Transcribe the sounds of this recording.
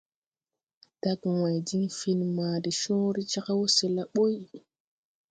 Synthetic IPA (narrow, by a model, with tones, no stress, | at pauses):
d̥a˦ɡwa˨jdi˦ŋfi˦n˨ma˨di˨ʃõ˦ɾi˦t͡ʃa˦ka˦wo˦se˨la˦ɓo˦j